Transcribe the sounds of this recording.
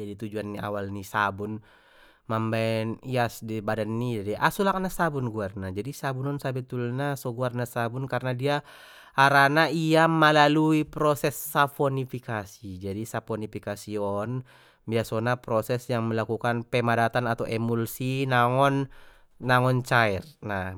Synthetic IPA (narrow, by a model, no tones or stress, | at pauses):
d͡ʒadit̪ud͡ʒuanːia̰walnisa̰bun | mambaɛniasdibadanːidadiʔasulak̚nasabunɡuarnad͡ʒadisabunɔnsabɛt̪ulnasɔɡuarnasabunkarnadia | aɾanaiaməlaluipɾɔsɛsːafɔnifikasid͡ʒadisafɔnifikasiɔn | biasonapɾɔsɛsjaŋməlakukanpɛmadat̪anat̪awʔɛmulsinaŋɔnː | aŋɔnt͡ʃaɛrna